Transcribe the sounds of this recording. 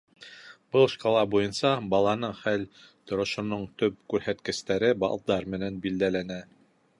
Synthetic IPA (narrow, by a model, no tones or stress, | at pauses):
b̥ɤlˠʃkɑlˠɑbujɤnsɑbɑlˠɑnɤχælt̪ŏɾŏʃŏnoɴt̪ɵp̚kʉɾhæt̪kɘ̆st̪æɾɘbɑ̰lˠd̪ɑɾmɘ̆nænbild̪ælænæ